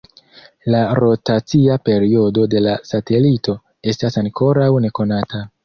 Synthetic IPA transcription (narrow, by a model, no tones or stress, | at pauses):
laɾo̞tat͡siape̞ɾio̞do̞de̞lasate̞lito̞ | e̞stasaŋkʰo̞ɾawne̞ko̞nata